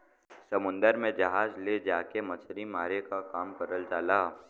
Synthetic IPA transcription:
sɐmʊ̃nd̪əɾmẽd͡ʒɐɦaːd͡ʒled͡ʒaːkemɐt͡ʃʰɾimaːɾekakaːmkɐɾəld͡ʒaːlaː

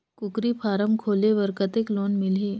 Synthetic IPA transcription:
kʊkɾipʰaːɾəmkʰoːleʋəɾkət̪ekloːnmɪlɦi

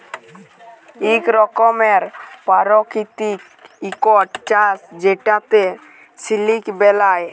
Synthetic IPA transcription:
ikɾɔkɔmeɾpaɾɔkit̪ik | ikɔʈt͡ʃasd͡ʒeʈãt̪e | silikbɛlaj

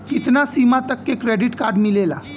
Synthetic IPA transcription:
kit̪nasimat̪əkːekɾeɖiʈkaɾɖmilela̰

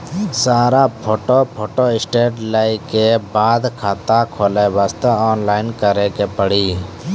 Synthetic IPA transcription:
saːɾapʰoːʈopʰoːʈoːɪsʈeːʈlaːikebaːd̪kʰaːt̪akʰoːleʋaːst̪əɔːnlaːɪnkəɾekepəɽiː

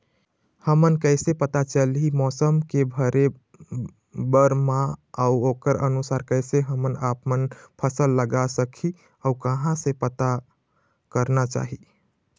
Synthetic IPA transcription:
həmənkəɪsepət̪at͡ʃəlɦimɔsəmkebʱəɾe | bəɾmãəuokəɾənusaɾkəɪseɦəmənapmənpʰəsəlːəɡasəkʰi | əukəɦãsẽpət̪a | kəɾnat͡ʃa̰ɦi

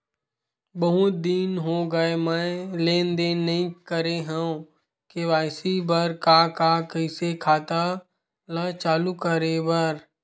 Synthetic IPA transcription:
bəɦʊt̪̚d̪iːnɦoɡəemɛ̃lẽːnd̪enɐɦĩkəɾeɦə̃õ | keʋaːsibəɾkaːkakəɪsekʰaːt̪a | lət͡ʃaːlukəɾebəɾ

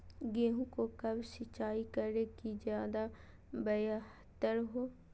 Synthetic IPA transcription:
ɡeːɦũkokəbsɪt͡ʃaːikəɾekizjaːd̪a | bəjah | t̪əɾɦoː

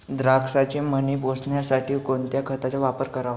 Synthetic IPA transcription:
d̪ɾaksat͡ɕemənebʱosɳjasaʈʰiːkont̪jakʰət̪at͡ɕaʋapəɾkəɾaʋa

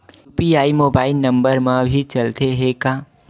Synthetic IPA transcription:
upiaːimoːbaːɪlnəmbəɾmãbʱit͡ʃəlt̪eɦekã

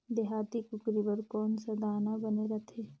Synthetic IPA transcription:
d̪ɪɦaːt̪ikʊkɾibɐɾkɔːnsad̪aːnabɐneɾɐt̪ʰeː

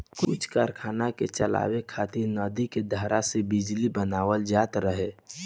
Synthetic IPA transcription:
kʊt͡ʃʰkaɾkʰaːnaket͡ʃəla̰ːwekʰaːt̪iɾnɔːd̪iked̪ʱaɾasebɪd͡ʒlibənaːwəld͡ʒaːt̪ɾəɦe

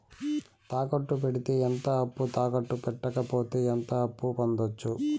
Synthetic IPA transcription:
t̪aːkɐʈːup̬eɽit̪e̞ːent̪ɐɐpːut̪aːkɐʈːupɛʈːɐkɐpoːt̪e̞ːent̪ɐːpːupond̪ot͡ʃːu

